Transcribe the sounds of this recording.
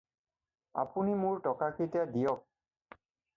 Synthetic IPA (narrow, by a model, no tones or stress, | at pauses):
a̰punimʊɹtɔkakʰitadijɔk̚